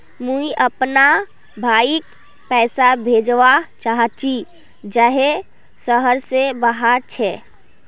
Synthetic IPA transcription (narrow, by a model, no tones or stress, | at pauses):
mũiʔəpna | bʱaːik | pɛːsabʱeːd͡ʒʋat͡ʃaɦt͡ʃʰi | d͡ʒəɦe | səɦəɾsebaɦaɾt͡ʃʰɛː